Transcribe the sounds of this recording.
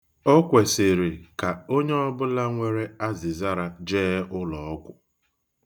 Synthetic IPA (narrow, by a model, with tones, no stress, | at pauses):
ɔ˦kʷe˨sɪ˨ɾɪ˨ka˨o˦ɲe˦ɔ˦bʊ˦la˦ŋʷe˦ɾe˦a˦zɪ˨za˦ɾa˨d͡ʒeː˦ʊ˦lɔ˨ɔ˦kʷʊ˨